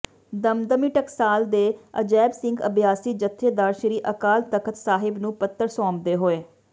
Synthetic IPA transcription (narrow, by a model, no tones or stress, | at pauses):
d̪əmd̪əmiːʈəksaːld̪eːə̰d͡ʒɛːbsɪ̃ŋɡəbjaːsiːd͡ʒət̪ʰːeːd̪aːɾʃəɾiːʔəkaːlt̪əkʰət̪saːɦɪbnũːpət̪ːəɾsɔːmd̪eːɦoːeː